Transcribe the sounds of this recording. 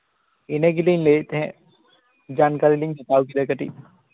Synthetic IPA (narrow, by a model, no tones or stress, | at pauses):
enəɡilinlet̪ɛɦɛ̃ | d͡ʒaːnkaɾiliŋkɐt̪awkid̪ɐkəʈḭ